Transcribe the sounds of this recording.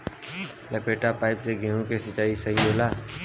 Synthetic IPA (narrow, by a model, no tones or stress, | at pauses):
lɛːpeːʈapaːɪpseɡeɦõkesɐt͡ʃaːisɐɦioːlaː